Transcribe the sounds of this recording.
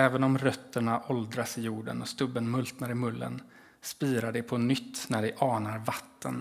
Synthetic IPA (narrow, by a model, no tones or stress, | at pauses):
ɛːvənɔmɾœt̪ːəɳaʔɔld̪ɾasɪjuːɖə̰nɔst̪ɵbːənmɵlt̪naɾɪmɵlːə̰n | spiːɾaɖɛpʰɔnʏt̪ːnæɖɛʔɑːnaɾvat̪ːə̰n